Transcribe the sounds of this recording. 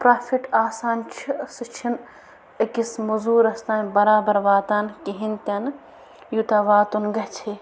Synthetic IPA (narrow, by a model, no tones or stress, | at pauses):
pɾaːfʰiʈaːsaːnt͡ʃʰisɨt͡ʃʰin | ɐkismuzuːɾɐst̪aːnʲbɐɾaːbɐɾʋaːt̪aːnkiɦint̪ʲɐn | jut̪aʋaːt̪unɡɐɦt͡ʃʰe